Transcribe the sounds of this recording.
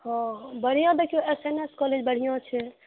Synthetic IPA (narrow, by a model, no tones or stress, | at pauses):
hɔ̃bəɽ̤ijɔ̃d̪ekioeseneskɔled͡ʒbəɽ̤ijɔ̃t͡ʃʰɛ